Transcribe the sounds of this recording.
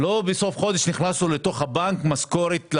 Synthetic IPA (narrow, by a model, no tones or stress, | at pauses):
lobeso̞fχo̞d̪eʃniχnasulet̪o̞χhabaŋkmaskoɾet̪l